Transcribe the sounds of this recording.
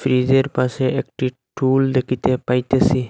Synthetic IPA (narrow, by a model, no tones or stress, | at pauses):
fʰɾizeɾpaseek̚ʈiʈuːld̪ekʰit̪ʰepajt̪esi